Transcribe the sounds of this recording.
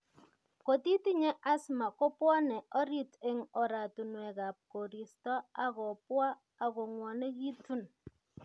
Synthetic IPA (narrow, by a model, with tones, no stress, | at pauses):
ko˨ti˦ti˦ɲɛ˦ʔa˦sma˨ko˦pwɔ˦nɛ˨ɔ˦ɾi˨te˦ŋɔ˨ɾa˨tu˨nwɛ˨ka˨p̚ko˨ɾi˨stɔ˦a˦kɔ˨pwaː˦˨ | kɔ˨ŋwɔ˨ne˦ki˦tu˦n